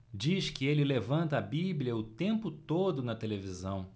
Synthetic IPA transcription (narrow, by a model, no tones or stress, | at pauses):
d͡ʒiʃkɪelɪlevɐ̃nt̪ɐːbiblʲiɐʊt̪ẽmpʊt̪od̪ʊnɐt̪elevizɐ̃w̃